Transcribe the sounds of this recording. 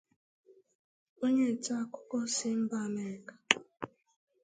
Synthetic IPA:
o˦ɲe˦˨ta˦˨kʊ˦kɔ˦sɪ˦m̩˦ba˦a˨me˦ɾɪ˨kḁ˨

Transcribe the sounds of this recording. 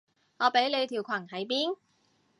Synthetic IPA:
ŋɔː˨˧pe˨˥jle˨˧jt̪ʰi˨˩wkʷʰɐ˨˩nhɐ˨˥jpiː˥n

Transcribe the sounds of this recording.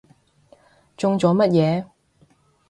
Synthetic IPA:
t͡sʊ˧ŋt͡sɔː˨˥mɐ˥t̚jɛː˨˧

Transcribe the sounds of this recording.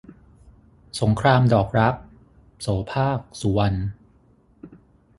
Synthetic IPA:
so˩˦ŋkʰɾaː˧mdɔː˨˩k̚ɾa˦˥p̚ | soː˩˦pʰaː˥˩k̚su˩˦wa˧n

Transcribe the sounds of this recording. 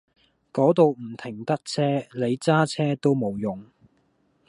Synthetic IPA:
kɔː˨˥t̪o˨˧wm̩˨˩t̪ʰɪ˨˩ŋt̪ɐ˥k̚t͡sʰɛː˥le˨˧jt͡saː˥t͡sʰɛː˥t̪o˥wmo˨˩wjʊ˨˩ŋ

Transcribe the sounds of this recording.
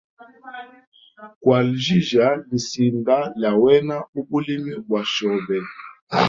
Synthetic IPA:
kwa˨lʒi˦ʒa˨˦li˨si˨nda˦la˨wɛ˦na˦u˦bu˦li˦mi˦bwa˨ʃɔ˨bɛ˨

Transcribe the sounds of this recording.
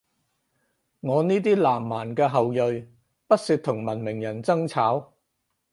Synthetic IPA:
ŋɔː˨˧niː˥t̪̬iː˥laː˨˩mːaː˨˩nkɛː˧ɦɐ˨wjɵ˨ɥ | pɐ˥t̚siː˧t̪ʰʊ˨˩ŋmɐ˨˩nmɪ˨˩ŋjɐ˨˩nt͡sɐ˥ŋt͡sʰaː˨˥w

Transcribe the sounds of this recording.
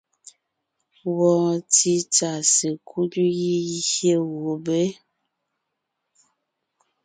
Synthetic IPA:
wɔ˦˨ti˦t͡ʃa˨sə˨kʰu˦du˦ji˦i˦hje˦wo˨be˦

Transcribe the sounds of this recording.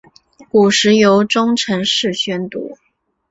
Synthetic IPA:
ku˨˩ʂɻ̩˧˥jo˧˥ʊʈ͡ʂʊ˥ŋʈ͡ʂʰə˧˥ŋʂɻ̩˥˩ɕɥɛ˥nt̪ṵ˧˥

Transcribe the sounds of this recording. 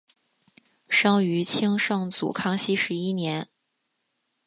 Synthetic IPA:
ʂɑ˥ŋy˧˥t͡ɕʰi˥ŋʂɤ˥˩ŋt͡sṵ˨˩kʰɑ˥ŋɕi˥ʂɻ̩˧˥i˥njɛ˧˥n

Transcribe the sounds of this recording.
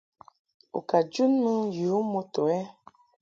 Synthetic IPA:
ṵ˨ka˨d͡ʒu˦nmə˦ju˨˦mo˦to˨ɛ˦

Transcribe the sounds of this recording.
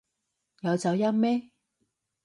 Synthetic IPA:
jɐ˨˧wt͡sɐ˨˧wjɐ˥mmɛː˥

